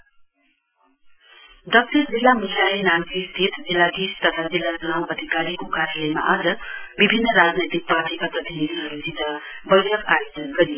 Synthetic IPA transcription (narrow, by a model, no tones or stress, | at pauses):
d̪ʌk̚ʈʌɾd͡zilːamisaenamɡist̪ʰit̪d͡zilːaɡ̪ist̪ʌt̪ʰad͡zilːad͡zʌnawʔʌd̪ʱikaɾikokaɾjalʌjma̰ʔʌd͡zʌbibʱinːʌɾad͡znet̪ik̚parʈikaprʌt̪ʰinid̪ʱiɦʌɾud͡zid̪a | bʌjʈʰʌkajed͡zʌnɡʌɾi